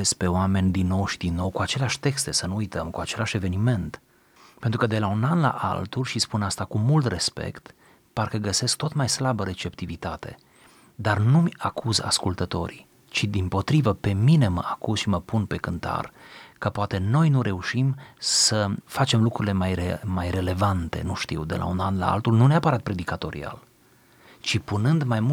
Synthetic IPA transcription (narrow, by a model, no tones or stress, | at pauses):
espe̞oame̞nʲd̪inːo̞wʃid̪inːo̞wkuat͡ʃe̞leaʃʲt̪e̞kst̪e̞sənuujt̪əmkuat͡ʃe̞laʃe̞ve̞nime̞nt̪ | pe̞nt̪ɾukəd̪e̞launanla̰ʔa̰lt̪ulʲʃispunast̪akumult̪re̞spe̞̰kt̪ | parkəɡəse̞sk̚t̪ot̪majslabəɾe̞t͡ʃe̞p̚t̪ivit̪at̪e̞̰ | d̪arnumʲakʰuza̰skult̪ət̪o̞̰ɾḭ | t͡ʃid̪impo̞t̪ɾivəpe̞mine̞mə̰akuzʃiməpunpe̞kɨnt̪a̰rkəpoat̪e̞no̞jnuɾe̞uʃimsəfat͡ʃe̞mlukɾuɾile̞majemajre̞le̞vant̪e̞̰nuʃt̪ḭwd̪e̞lʔa̰unanla̰a̰lt̪ulnuneapəɾat̪̚pɾe̞d̪ikat̪o̞ɾḭa̰l | t͡ʃipunɨnd̪majmu